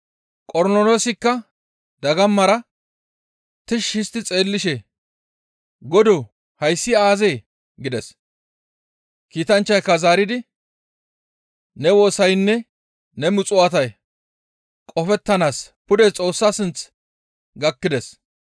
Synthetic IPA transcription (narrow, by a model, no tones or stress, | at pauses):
kʼɔɾnɔloːsɪkːɐ | d̪ɐɡɐmːɐɾɐ | t̪ɪʃhɪst̪ɪt͡sʼe̞ːlːɪʃɛ | ɡɔd̪ɔ | hɐjsːɪaːzeː | ɡɪd̪ɛs | kiːt̪ɐnt͡ʃːɐjkːɐzaːɾɪd̪ɪ | nɛwo̞ːsɐjnːɛ | nɛmʊt͡sʼʊɐt̪ɐj | kʼɔfɛt̪ːɐnaːs | pʊd̪ɛt͡sʼo̞ːsːaːsɪnt͡s | ɡɐkːɪd̪ɛs